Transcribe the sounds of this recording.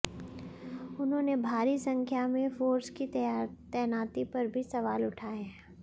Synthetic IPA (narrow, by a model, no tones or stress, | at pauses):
ʊnɦõːnebʱaːɾisɐ̃ŋkʰjamẽfoːɾskit̪ːt̪ɛːnaːt̪ipɐɾbʱisɐʋaːlʊʈʰaːeɦɛɛ̃ː